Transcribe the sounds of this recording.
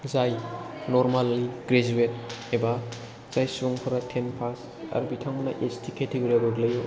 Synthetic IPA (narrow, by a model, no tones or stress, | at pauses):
zajnoɾmalːiɡ̥ɾed͡ʒuet̚eba | z̥ajsuŋpʰɯɾɐtʰenpʰas | a̰ɾbitʰaŋmna̰ʔestʰiketeɡoɾiabaɡlɐjo